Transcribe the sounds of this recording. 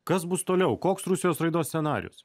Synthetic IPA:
kɐsbʊst̪oːlʲɛʊkoːksɾʊsʲɪjoːsɾɐɪd̪oːsʲsʲɛnɑːɾʲɪ̰jʊ̰s

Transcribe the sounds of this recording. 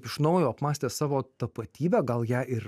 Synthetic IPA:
pɪʃnɔʊjoːɐpmɑːsʲt̪ʲeːssɑːʋoːt̪ɐpɐt̪ʲiːbʲæːɡɐlˠjæːʔɪɾ

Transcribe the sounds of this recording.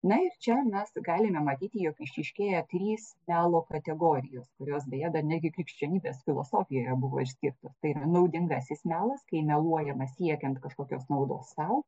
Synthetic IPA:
nɐɪrt͡ʃʲɛmʲɛsɡɑːlʲɪmʲɛmɐt̪ʲiːt̪ʲɪjoːkɪʃʲɪʃʲkʲeːjɛt̪ʲɾʲiːsmʲæːlˠoːkɐt̪ʲɛɡoːɾʲɪjoːskʊɾʲoːsbʲeːjɛd̪ɐrnʲæd̪ʲɡʲɪkɾʲɪkʃʲt͡ʃʲɛnʲiːbʲeːsfʲɪlˠo̰ːsoːfʲɪjoːiɾɐbʊʋo̰ːɪʃʲsʲkʲiːrt̪oːst̪ɐɪiɾɐnɐʊd̪ʲɪŋɡɐsʲɪsmʲæːlˠɐskɐɪmʲɛlˠuɔjɛmɐsʲiɛkʲɛnt̪kɐʃkoːkʲoːsnɐʊd̪o̰ːsːɐʊ

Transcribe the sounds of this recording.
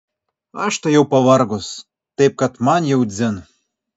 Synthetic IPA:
ɑʃt̪ɤ̆jowpɑβɑrɣos | t̪ep̚kɑt̪mɑnʲjɤ̆wd̪ʲzʲɘ̆n

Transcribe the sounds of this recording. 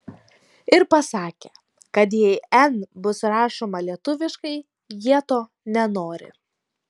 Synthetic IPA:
ɪɾpɐsɑːkʲe | kɐt̪̬jɛɪɛnbʊsɾɑːʃoːmɐlʲiɛt̪ʊʋʲɪʃkɐɪ | jiɛt̪oː | nʲɛnoːɾʲɪ̰

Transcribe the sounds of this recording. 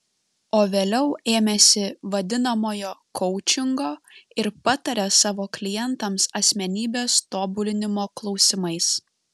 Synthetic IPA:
oːʋʲeːlʲɛʊeːmʲɛsʲɪʋɐd̪ʲɪnɐmoːjoːkʰɔʊt͡ʃʲɪŋɡoːɪɾpɑt̪ɐɾʲɛsɑːʋoːklʲɪjɛnt̪ɐmsɐsʲmʲɛnʲiːbʲeːst̪oːbʊlʲɪnʲɪmoːklˠɒʊsʲɪmɐɪs

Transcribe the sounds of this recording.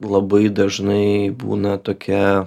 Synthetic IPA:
lˠɐbɐɪd̪ɐʒnɐɪbṵːnɐt̪oːkʲɛ

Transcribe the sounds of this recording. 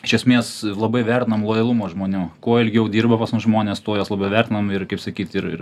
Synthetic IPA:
ɪʃʲɛsʲmʲeːslˠɐbɐɪʋʲærʲtʲɪnɐmlˠoːjɐlˠumoːʒmoːnʲuːkoɔɪlʲɡʲɪjɛʊd̪ʲiːrbɐpɑsmʊsʒmoːnʲeːst̪oːjoːslˠɐbʲɛʊʋʲæɾʲt̪ʲɪnɐmɪrkɐɪpsɐkʲiːt̪ɪɾɪ̰r

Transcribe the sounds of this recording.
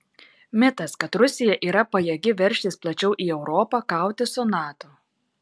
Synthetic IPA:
mʲɪt̪ɐskɐt̪ɾʊsʲɪjɛʔiːɾɐpɐjɛɡʲɪʋʲɛɾʲʃʲt̪ʲiːsplˠɐt͡ʃʲɛʊʔiːɛʊɾɔːpɑːkɑˑʊt̪ʲɪsʊnɑːt̪o

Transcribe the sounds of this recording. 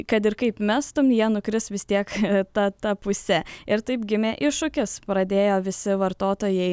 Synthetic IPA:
kɐt̪ɪɾkɐɪpmʲæst̪ʊmjiɛnʊkɾʲɪsʋʲɪst̪ʲiɛkt̪ɐt̪ɐpʊsʲɛɪɾt̪ɐɪpɡʲɪmʲeːʔɪʃʊkʲɪspɾɐd̪ʲeːjoːʋʲɪsʲɪʋɐɾt̪oːt̪oːjɛɪ

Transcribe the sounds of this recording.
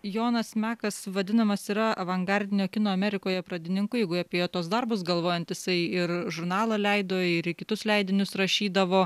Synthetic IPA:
joːnɐsmʲæːkɐsʋɐd̪ʲɪnɐmɐsiːɾɐɐʋɐŋɡɐɾʲd̪ʲɪnʲoːkʲɪnoːɐmʲɛɾʲɪkoːjɛpɾɐd̪ʲɪnʲɪŋkʊjɛɪɡʊɑːpʲeɛjoːt̪oːsd̪ɐrbʊs̬ɡɐlˠʋoːjɛnt̪jɪsɐɪɪrʒʊɾnɑːlˠɐlʲɛɪd̪oːɪɾɪkʲɪt̪ʊslʲɛɪd̪ʲɪnʲʊsɾɐʃʲiːd̪ɐʋoː

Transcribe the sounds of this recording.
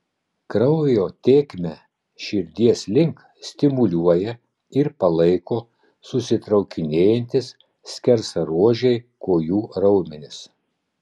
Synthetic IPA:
kɾɐʊjoːt̪ʲeːkʲmʲɛ | ʃʲɪɾʲd̪ʲiɛsʲlʲɪŋk | sʲt̪ʲɪmʊlʲuɔjɛ | ɪɾpɐlˠɐɪkoː | sʊsʲɪt̪ɾɐʊkʲɪnʲeːjɛnʲt̪ʲɪs | sʲkʲɛɾsɐɾuɔʒʲɛɪkoːjuːɾɐʊmʲɪnʲɪs

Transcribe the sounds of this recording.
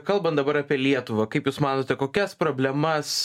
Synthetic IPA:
kɐlˠbɐnt̪d̪ɐbɐɾɑːpʲiɛlʲiɛt̪ʊʋɐkɐɪpjuːsmɑːnoːtʲɛkoːkʲɛspɾoːbʲlʲɛmɐs

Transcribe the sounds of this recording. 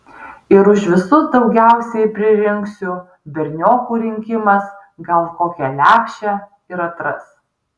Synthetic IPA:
ɪɾʊʃʋʲɪsʊd̪ɒʊɡʲæˑʊsʲɛɪpʲɾʲɪɾʲɪŋksʲʊ | bʲɛɾʲnʲoːkuːɾʲɪŋʲkʲɪmɐs | ɡɐlˠkoːkʲɛlʲæːkʃʲt͡ʃʲɛ | ɪɾɐt̪ɾɐs

